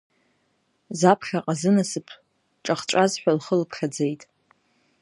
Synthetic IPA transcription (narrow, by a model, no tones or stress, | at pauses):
zapʰχʲaqʼazɨnasɨpʰ | ʈ͡ʂʼaχt͡ʃʷʼazħʷᶣalχəlpʰχʲad͡zejtʼ